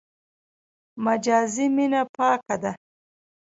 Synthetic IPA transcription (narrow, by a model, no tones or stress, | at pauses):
mad͡ʒɑːziminapɑːkad̪a